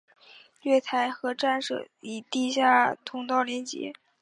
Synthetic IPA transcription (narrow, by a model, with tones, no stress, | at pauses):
ɥɛ˥˩t̪ʰa˧˥ɪxɤ˧˥ʈ͡ʂa˥˧nʂɤ̰˥˩i˨˩t̪i˥˧ɕja˥˩t̪ʰʊ˧˥ŋt̪ɑ˥˩ʊljɛ˧˥nt͡ɕjɛ̰˧˥